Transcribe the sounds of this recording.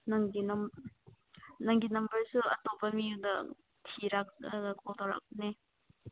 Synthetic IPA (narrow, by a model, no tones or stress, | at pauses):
nɐŋɡinɐm | nɐŋɡinɐmbɐɹsuɐ̰topɐmijudɐ | tʰiɾak̚ɡɐkʰodoɾa̰k̚ne